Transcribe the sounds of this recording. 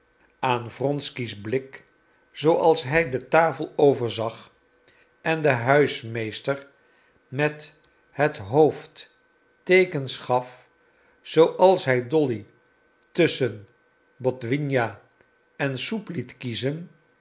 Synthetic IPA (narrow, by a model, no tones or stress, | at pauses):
aːnvrɔnskizblɪk | z̥owʔɑlˠsɦɛjdətaːfəlˠowvəɹzɑχ | ɛndəɦœɥsmejstəɹ | mɛt | ɦətɦowft | tejkənsχɑf | z̥owʔɑlˠsɦɛjdɔli | tɵsən | bɔtʋinja | ɛnsuplitkizən